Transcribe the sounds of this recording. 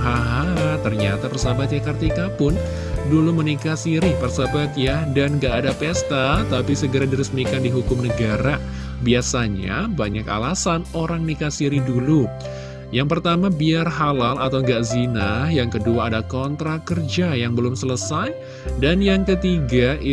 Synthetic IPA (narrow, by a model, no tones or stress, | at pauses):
ɦaɦaɦat̪ərɲat̪apərsabat̪̚jakart̪ikapʊn | dulumənikasiɾipərsabat̪̚jadanŋɡaʔːdapɛst̪at̪apisəɡəɾadiɾəsmikandiɦukʊmnəɡaɾa | biasaɲa̰baɲaka̰lasanoɾaŋnikasiɾidulu | jaŋpərt̪amabiarɦalalat̪awŋɡaʔzinajaŋkəduaːdakɔnt̪ɾakərd͡ʒajaŋbəlʊmsələsaj | danjaŋkət̪iɡa